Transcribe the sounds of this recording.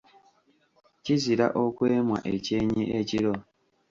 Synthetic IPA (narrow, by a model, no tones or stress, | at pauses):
ciziɾa̰ʔokweːmwa̰ʔeceːɲiʔeciɾo